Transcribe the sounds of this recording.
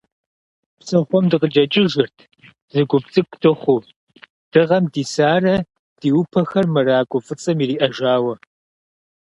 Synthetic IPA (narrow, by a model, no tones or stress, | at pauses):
psɐχʷɔmdɨqəd͡ʒɐt͡ʃʼɪʒɪrtʰ | zɨɡʷʊp̚t͡sʼɨkʷʰʼtʰɨχʷuː | d̥ɨʁɐmdiːsaːrɐ | d̥iːwʊpʰɐxɐrmɐraːkʷʼʊfɨt͡sʼɐmiːriːʔɐʒaːwɐ